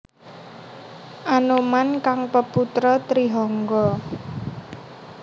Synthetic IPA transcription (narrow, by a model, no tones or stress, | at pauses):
ʔanomankaŋpəput̪ɾɔt̪ɾiɦɔŋɡɔ